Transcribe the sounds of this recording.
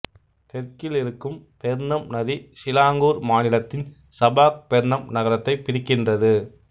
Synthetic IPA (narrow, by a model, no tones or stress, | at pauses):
t̪ɛɾkɪlɪɾɯkːɯmpɛɾnɐmnɐðisɪlaːŋɡuːɾmaːnɪlɐt̪ːɪn | sɐbaːk̚pɛɾɳɐmnɐɣɐɾɐt̪ːɐɪpɪɾɪkːɪndrɐðɯ